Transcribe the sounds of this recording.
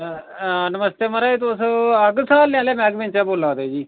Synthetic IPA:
nəməst̪eːməɾaːit̪osəɡsaːlːɪ̃ãːleːmɛ̃ːɡmɪ̃nt͡ʃaːboːlaːd̪eːd͡ʒiː

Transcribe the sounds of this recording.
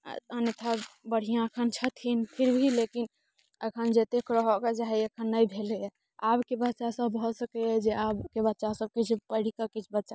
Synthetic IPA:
ənet̪ʰabəɽ̤ijãəkʰənt͡ʃʰət̪ʰinpʰiɾbʱilekin | əkʰənd͡ʒet̪ekɾəɦɔked͡ʒaɦɛekʰənːəjbʱeleɛ | abkebətːʃasəbbʱɔsəkɛɛd͡ʒeabkebətːʃasəb̚kit͡ʃʰpəɽ̤ikəkit͡ʃʰbətːʃa

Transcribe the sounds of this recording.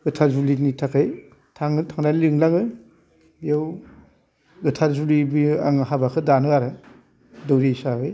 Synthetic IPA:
ɡɯtʰazulinitʰakʰɯj | tʰaŋɯtʰaŋnalɯŋlaŋɯ | bijaw | ɡɯtʰazulibia̰ŋɦabakʰɯdanɯaɾɯ | dɔwɾisabɯj

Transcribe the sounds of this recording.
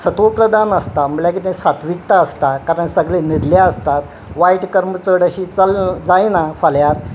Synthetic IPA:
sət̪upɾəd̪ʱanəst̪aməɭlak̬it̪ẽsat̪ʰʋik̚t̪aəst̪akaɾəɳsəɡlenid̪ljaəst̪at̪ | ʋajʈkəɾmət͡səɽəɕit͡sald͡zajnafaljaɾ

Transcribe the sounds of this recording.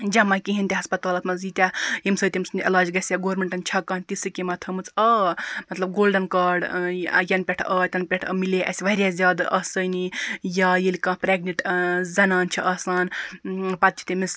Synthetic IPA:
d͡ʒɐmɐkiɦinʲt̪ʲiɦɐspɐt̪aːlɐt̪mɐzit̪ʲajimsɐjt̪ʲimsnelaːd͡ʒɡɐsʲjaɡoːɾmeɳʈɐnt͡ʃʰɐkɐnt̪isɨkimɐt̪ʰɐmɨt͡sɐmɐt̪lɐb̚ɡoːlɖɐnkaːɖjɐnpʲeʈʰɐt̪ʲɐnpʲeʈʰɐ̰mileʔɐ̰sʲʋɐɾʲjazʲjaːd̪ʔɐsəjnijɐjilikɐ̃pɾeɡniʈzɐnaːnt͡ʃʰiʔɐsaːnpɐt̪̚t͡ʃʰi̥t̪imis

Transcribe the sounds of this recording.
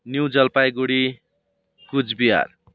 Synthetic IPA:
njuwd͡zʌlpajɡuɽi | kud͡zbiɦa̰r

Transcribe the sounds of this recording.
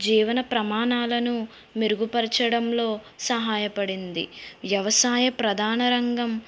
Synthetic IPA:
d͡ʒiːʋɐnɐpɾɐmaːnaːlɐnu | meɾuɡupɐɾt͡ʃɐɽɐmlo̞ː | sɐɦaːjɐpɐɽind̪ḭʋjɐʋɐsaːjɐpɾɐd̪ʱaːnɐɾɐŋɡɐm

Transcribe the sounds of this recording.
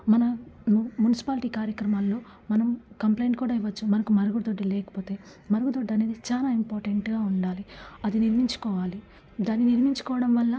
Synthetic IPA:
mɐnɐmunisi̥paːlʈiːkaːɾjɐkɾɐmaːlːo̞ː | mɐnɐmkɐmplejɳʈ̚kuːɽaːiʋɐt͡ʃːumɐnɐkumɐɾɐɡud̪oɖːilɛːkɐ̥po̞ːt̪e̞ː | mɐɾuɡud̪oɖːɐne̞ːd̪it͡ʃaːlaːimpaːɾʈeɳʈɡaːuɳɖaːliɐd̪iniɾmiɲt͡ʃu̥kɔːʋaːli | d̪aːnːiniɾmiɲt͡ʃu̥kɔːʋɐɽɐmʋɐlːɐ

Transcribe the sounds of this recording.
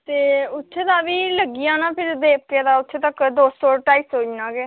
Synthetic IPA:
t̪eːʊt̪ʰːeːd̪aːbiːləɡijãːnaːpʰɪɾd̪eːp̚keːd̪aːʊt̪ʰːeːt̪əkd̪oːsoːʈaːisoːd͡ʒnãːkeː

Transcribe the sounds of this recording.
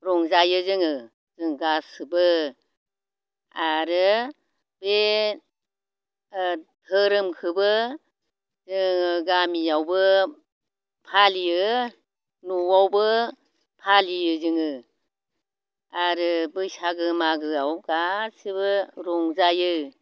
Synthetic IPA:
ɾɔŋzajɯzɯŋɯ | zɯŋɡasɯbɯ | aɾɯ | be | tʰɯɾɯmkʰɯbɯ | zɯŋɡamijawbɯ | pʰalijɯ | nuwawbɯ | pʰalijɯzɯŋɯ | aɾɯbɯjsaɡɯmaɡɯawɡasɯbɯɾɔŋzajɯ

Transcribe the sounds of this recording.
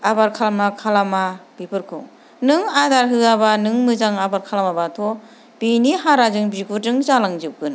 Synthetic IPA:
abaɾkʰalamakʰalamab̥ipʰɯɾkʰɯ̰w | nɯŋadaɾɦɯabanɯŋmɯzaŋabaɾkʰalamabatʰɔ | b̥iniɦaɾazɯŋbiɡutɯŋzalaŋd͡ʒɯp̚ɡɯn

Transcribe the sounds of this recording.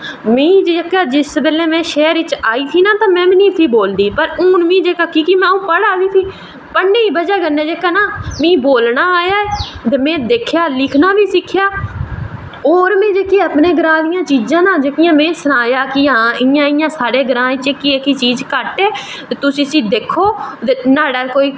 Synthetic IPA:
mẽːĩd͡ʒəkaːd͡ʒɪsbeːleːmɛ̃ːʃɛːɾɪt͡ʃaːiːt̪ʰiːnãːt̪ãːmɛ̃ːmniːt̪ʰiːboːld̪iːpəɾʊːnmĩːd͡ʒeːkaːkiːkimɛ̃ːũːpəɽaːʋiːt̪ʰiː | pəɳːeːiːbəd͡ʒaːɡəneːd͡ʒeːkaːnaːmĩːboːlnaːaːjaːɛːd̪emɛ̃ːd̪eːkʰjaːlɪkʰnaːbiːsɪkʰːjaː | oːɾmɛ̃ːd͡ʒeːkeːəpnẽːɡəɾãːd̪ɪjãːt͡ʃiːd͡ʒãːnãːd͡ʒeːkɪjãːmɛ̃ːsʊnaːjaːkɪɦãːɪjãːɪjãːsaːɽeːɡəɾãːɪ̃t͡ʃekieːkit͡ʃiːd͡ʒkəʈeː | t̪et̪ʊsĩːsĩːd̪eːkʰːoːt̪enaːɽaːkoːiː

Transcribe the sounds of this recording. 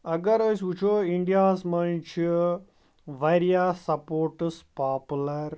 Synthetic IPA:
ɐɡɐɾəːsut͡ʃʰoːiɳɖijaːsmɐnt͡ʃʰi | ʋɐɾijaːsɐpoːɾʈspaːpulɐɾ

